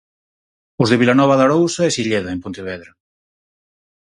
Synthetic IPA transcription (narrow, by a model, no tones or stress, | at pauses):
ʊzðeβilanɔβaðaɾowsɐɛsiʎeðɐempont̪iβ̞ɛðɾa